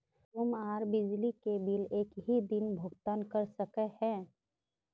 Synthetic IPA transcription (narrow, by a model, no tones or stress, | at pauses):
tʊmaːɾbɪd͡ʒlikebɪleːkɦid̪ɪnbʱʊɡt̪aːnkəɾsəkehɛ̃ː